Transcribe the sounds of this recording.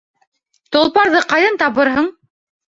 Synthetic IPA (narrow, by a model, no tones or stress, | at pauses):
t̪olˠpɑɾðɤqɑjðɤnt̪ɑβɤɾɦɤɴ